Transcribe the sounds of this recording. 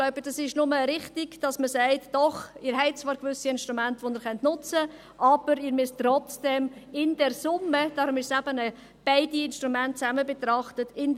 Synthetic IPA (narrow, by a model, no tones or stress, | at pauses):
ɡ̥lɔʊb̥əd̥ɑsɪʃnʊməɾɪχtiɡ̥d̥ɑsməsæɪtd̥ɔχɪːɾɦɛɪt̚t͡svɑːɾkvʏsiɪnʃtɾumæntəʋonɪːɾχœntnʊt͡sə | ʔɑb̥əɾɪːɾmʏstɾɔt͡sd̥ɛmɪndɛɾsʊmːəd̥ɑːɾʊmɪʃsæb̥ənə | b̥ɛɪdiɪnʃtɾumænt̚t͡sæməbət̪ɾɑχtətʰɪn